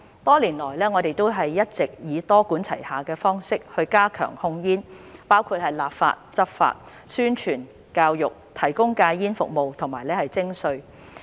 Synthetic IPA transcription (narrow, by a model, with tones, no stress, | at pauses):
t̪ɔː˥liː˨˩nlɔː˨˩jlɛː˥ŋɔː˨˧t̪e˨jt̪o˥wɦɐ˨jːɐ˥t̚t͡sɪ˨k̚jiː˨˧t̪ɔː˥kuː˨˥nt͡sʰɐ˨˩jhaː˨kɛː˧fɔː˥ŋsɪ˥k̚hɵ˧ɥkaː˥kʰœ̰ː˨˩ŋhʊ˧ŋjiː˥npaː˥wkʰuː˧t̚hɐ˨jlaː˨p̚fa̰ː˧t̚t͡sɐ˥p̚fa̰ː˧t̚ | syː˥nt͡ʃʰyː˨˩n | kaː˧wjʊ˨k̚t̪ʰɐ˨˩jkʊ˥ŋkaː˧jjiː˥nfʊ˨k̚mo˨wt̪ʰʊ˨˩ŋmaː˨˩jlɛː˥hɐ˨jt͡sɪ˥ŋsɵ˧ɥ